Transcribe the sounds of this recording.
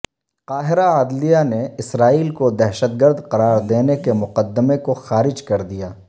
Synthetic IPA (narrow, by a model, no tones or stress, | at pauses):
qaːɦɪɾaaːd̪lijaneɪsɾaːiːlkod̪ɛɦʃət̪̚ɡəɾd̪qɐɾaːɾd̪eːnekemʊqəd̪ːəmekoxaːɾɪd͡ʒkɐɾd̪ijaː